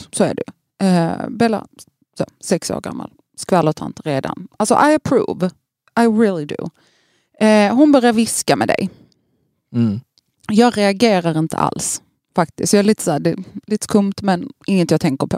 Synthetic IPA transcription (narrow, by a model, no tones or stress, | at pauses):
sɔæ̰ɖʉ | ɛbɛla̰ | soːsɛkso̰ːɾɡa̰mːa̰l | skvalɔt̪ʰa̰nt̪ɾeːd̪a̰nalsɔ̰ʔajəpʰɾṵːv | ʔajɾɪːlˠɪd̪ʉ̰ | ɛɦʊnbœɾjaɾvɪskamɛ̰d̪ɛ̰j | jɑːɡɾɛaɡeːɾaɾɪnt̪ʰə̰ʔa̰ls | fak̚t̪ɪskt̪jɑːɛliːt̪əsæːɖɛliːt̪ə̥kʰɵmt̪mɛnɪŋːət̪jɑt̪ʰɛŋkəɾpʰɔ